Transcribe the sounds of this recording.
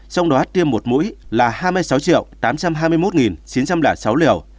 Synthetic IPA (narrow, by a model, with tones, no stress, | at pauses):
sa˧wŋ͡mɗɔ˨˦t̪i˧əmːo˨˩t̚mṵ˧˥jlaː˨˩haː˧jm˧əjsa˨˦wt͡ɕḭ˧˨əwt̪aː˨˦mt͡ɕa˧mɦaː˧jmɨ˧əjmo˦˥t̚ŋi˨˩nt͡ɕi˨˦nt͡ɕa˧mlaː˧˩sa˨˦wlḭ˧˨əw